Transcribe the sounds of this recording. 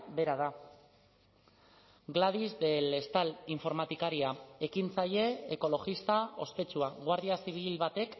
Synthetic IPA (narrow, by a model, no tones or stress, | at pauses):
be̞ɾaða | ɡlaðizd̪e̞le̞st̪aliɱfo̞ɾmat̪ikaɾiae̞kint͡saje̞eko̞lo̞ɣist̪ao̞̰spe̞t͡suaɣwaɾðiasiβ̞ilβat̪e̞k